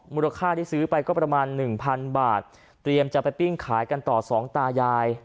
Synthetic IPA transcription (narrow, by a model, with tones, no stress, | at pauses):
muː˧˩la˧kʰaː˥˩tʰiː˥˩sɯː˦˥pa˧jkɔː˥˩pɾa˧maː˧nːɯ˨˩ŋpʰa˧nbaː˨˩t̪̚ː | ɾi˧əmt͡ɕa˨˩pa˧jpi˥˩ŋkʰaː˩˦jka˧nt̪ɔː˨˩sɔː˩˦ŋt̪aː˧jaː˧j